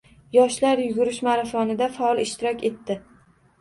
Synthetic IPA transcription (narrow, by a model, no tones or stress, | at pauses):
jɒʃlaɾjʊɡʊɾɪʃmaɾafɒnɪd̪afaɒlˠɪʃt̪ɪɾɒkʲe̞t̪ːɪ